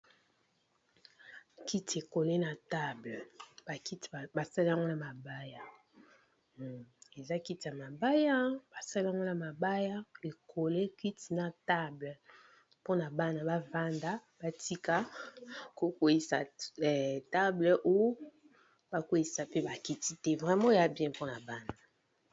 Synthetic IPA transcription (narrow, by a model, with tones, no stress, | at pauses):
ki˦ti˨e˨ko˨le˦na˨ta˦blɛ˨ba˨ki˦ti˨ba˨sa˦li˦a˦ŋɡo˦na˨ma˨ba˦ja˨ | e˨za˦ki˦ti˨a˨ma˨ba˦ja˦ba˨sa˦li˦a˦ŋɡo˦na˨ma˨ba˦ja˦e˨kʰo˨le˦kwi˦ti˨na˨ta˦blə˨ | po˦na˨ba˦na˨ba˦va˦nda˦b̥a˦ti˦ka˦ | ko˦kwe˦ji˨sa̰˨ɛ˨ta˦blɛ˨ʔo˦jo˦ | ba˦kwe˦i˨sa˨pe˦ba˨ki˦ti˦tɛ˦vʁɛ˨mɔ̃˦e˨ja˦bjɛ̃˦po˦na˨ba˦na˨